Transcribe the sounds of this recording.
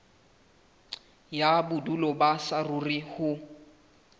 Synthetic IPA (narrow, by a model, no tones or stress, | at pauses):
jabʊdulɔbasarʊrihʊ